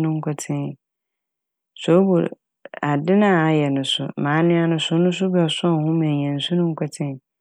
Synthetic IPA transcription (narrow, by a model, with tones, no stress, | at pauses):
nʊ̃˦ŋ̩˦kʰʷɔ˦tʰɪ̃˦n˨ | so˨˦bu˨ɾ | a˨dɪ˦nãː˦˨a˦jɛ˨nʊ̃˨sʊ̰˨mãː˨˦nɪ̃˦a˦nʊ̃˦sʊ˦nʊ̃˦s̬ʊ˦bɛ˨sɔ˦˨hʊ̃˦mɛ̃˨ɲɛ̃˨n̩˨sʊ̃˦nʊ̃˦ŋ̩˦kʰʷɛ˦tʰɪ̃˦n˨